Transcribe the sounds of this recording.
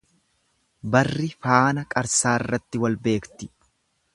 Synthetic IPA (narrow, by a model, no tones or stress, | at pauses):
bɐrːɪfaːnɐkʼɐɾsaːɪrːɐt̪ːɪwɐlbe̞ːkt̪ɪ̥